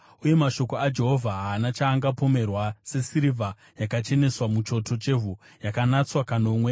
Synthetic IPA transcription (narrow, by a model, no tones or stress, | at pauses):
uje̞maʃo̞ko̞ad͡ʒe̞ɦo̞vʱaɦaːnat͡ʃaːŋɡapo̞me̞rwase̞siɾivʱa | jakat͡ʃe̞ne̞swamut͡ʃo̞tʰo̞t͡ʃe̞vʱu | jakanat͡swakano̞mwe